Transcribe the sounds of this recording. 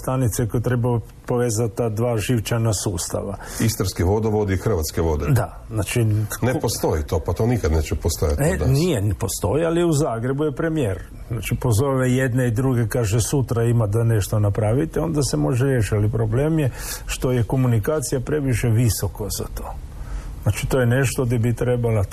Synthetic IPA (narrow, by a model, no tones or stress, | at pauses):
st̪anit̪sekojt̪ɾeba | po̞ʋeːzat̪ad̪ʋaːʒiʋt͡ʃanasuːst̪a̰ʋaist̪aɾskeʋo̞d̪oʋod̪ixr̩ʋat̪skeʋod̪ed̪a | znat͡ʃinepost̪ojit̪opat̪oːnikad̪neːt͡ʃɛpost̪o̰ja̰t̪ed̪nijepo̞st̪o̞jialiuzaːɡɾe̞bujepɾe̞mijeːɾ | znaːt͡ʃipo̞zo̞ːʋejed̪neid̪ɾuɡe̞kaːʒesut̪ɾaimad̪ane̞ʃt̪o̞napɾaʋit̪eo̞nd̪asemo̞ʒeɾjeːʃialipɾo̞ble̞ːmjeʃt̪o̞jeko̞munikaːt̪sijapɾe̞ʋiʃeʋiso̞kaza̰t̪o̞ː | znat͡ʃit̪ojene̞ʃt̪o̞d̪ebit̪ɾe̞bala